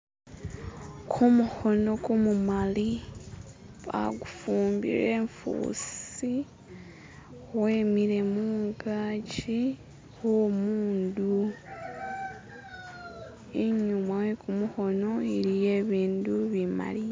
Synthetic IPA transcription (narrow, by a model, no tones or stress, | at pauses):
kʰumuho̞no̞kumumali | βa̰ɡufuːmbḭɾeːɱfṵːsi | we̞ːmiɾe̞muːŋɡaci | womuːndu | iɲumawekumuho̞no̞iɾije̞ːβiːnduβima̰li